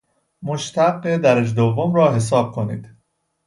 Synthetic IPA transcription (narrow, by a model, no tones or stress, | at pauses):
moʃt̪ʰæɡːed̪æɾed͡ʒd̪ovːomɾɒːɦe̞s̬ɒːb̥̚kʰonḭːd̪̥